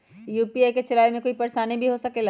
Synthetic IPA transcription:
juːpiaːjket͡ʃɐlaːemẽkoːipɐɾʃaːnibʱiɦosɐkela

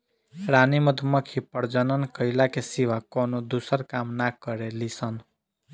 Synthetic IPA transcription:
ɾaniməd̪ʱməkʰipəɾd͡ʒənənkəɪlakesiʋakonod̪usəɾkamnakəɾelisən

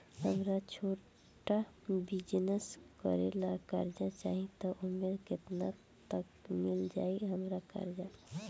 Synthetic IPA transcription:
ɦəmɾat͡ʃʰo | ʈabid͡ʒneskə̰ɾelakə̰ɾd͡ʒat͡ʃaɦĩt̪ɔʔumeɾket̪na | t̪əkmild͡ʒa̰iɦəmɾakə̰ɾd͡ʒa

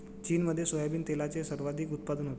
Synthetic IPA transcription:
t͡ɕiːnməd̪ʱːjesojabiːnt̪elat͡sesəɾʋad̪ʱiːkut̪̚pad̪ənɦot̪

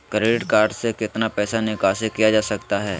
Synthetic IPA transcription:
kɾeːɖɪʈkaːɾɖsekɪt̪napɛːsanɪkaːsekijad͡ʒaːsɐkt̪aɦɛː

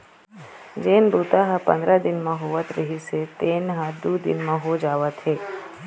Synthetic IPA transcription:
d͡ʒeːnbuːt̪aɦəpɐ̰̃nd̪ɾad̪ɪnmẽɦoːʋət̪ɾəɦiset̪eːnɦə̃d̪uːd̪ɪ̰nmẽɦod͡ʒaːʋət̪ɦeː

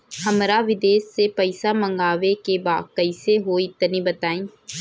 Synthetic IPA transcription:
həmɾaʋɪd̪eːsːepəɪsamə̃ŋɡaːʋekebaːd̪̚kəɪseɦoːit̪nibət̪aːĩː

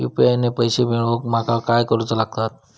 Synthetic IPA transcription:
jṵpiajnepəjsebeɭʋək̚makakajkəɾut͡səlaɡ̚t̪at̪̚

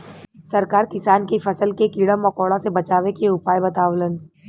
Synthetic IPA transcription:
sɐɾkaːɾkɪsaːnkifʰɐsəlkekiɽəmːɐkɔːɽãsebɐt͡ʃaːʋekeʊpaːjbɐt̪aːʋlən

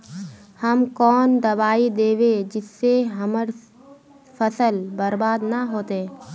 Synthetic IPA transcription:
həmkɔːnd̪ɐbaːid̪eːʋed͡ʒɪsːeɦɐməɾ | fəsəlbɐɾbaːd̪naɦoːt̪eː

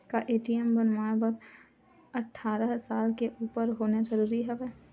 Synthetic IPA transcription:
kaʔeːʈiɛmbənmaːbəɾ | ɐʈʰːaːɾəɦsaːlkeʔuːpəɾɦoːnezəɾuːɾiɦɛʋɛː

